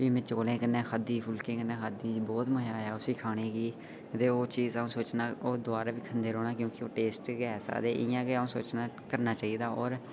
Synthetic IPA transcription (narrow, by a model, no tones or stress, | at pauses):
ʋiːmẽːt͡ʃoːlẽːkənːẽːxʰaːd̪iːpʰʊlkẽːkənːẽːkʰaːd̪iːd͡ʒibɔːt̪məɦjaːjaːʊsiːkʰaːɽ̃ẽːɡiː | ət̪eːoːt͡ʃiːzaːũːsoːt͡ʃnaːoːd̪ʊaːɾaːʋiːkʰənd̪eːɾoːɽ̃aːkjõːkɪoːʈeːsʈɡɛːsa̰ːd̪eːʔɪjãːɡeaːũːso̰ːt͡ʃnaː | kəɾnaːt͡ʃaːiːd̪aːɔːɾ